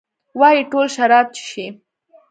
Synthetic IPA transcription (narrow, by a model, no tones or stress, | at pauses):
wɑjiʈolʃaɾɑb̚t͡ʃɪ̥ʃi